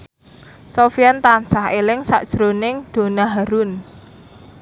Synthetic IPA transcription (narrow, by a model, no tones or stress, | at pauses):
sofiant̪ansaɦelɪŋsa̰ʔd̥ʒ̥ɾonɪŋd̪̥o̤naɦaɾʊn